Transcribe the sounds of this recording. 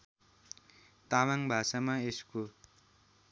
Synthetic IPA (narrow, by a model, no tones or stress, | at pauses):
t̪amaŋbʱasamaesko